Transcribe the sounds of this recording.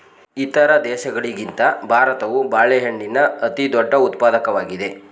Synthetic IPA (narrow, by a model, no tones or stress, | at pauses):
it̪ɐɾɐd̪ɛːʃɐɡɐɭiɡint̪ɐbʱaːɾɐt̪ɐʋubaːɭɛɦeɳɖinɐɐt̪id̪ɔɖːɐut̪paːd̪ɐkɐʋaːɡid̪e̞